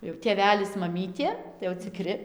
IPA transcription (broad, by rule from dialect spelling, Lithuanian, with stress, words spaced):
jɛʊ tʲeːˈʋʲæːlʲɪs mɐˈmʲiːtʲeː tɐɪ jɛʊ t͡sʲɪˈkrʲɪ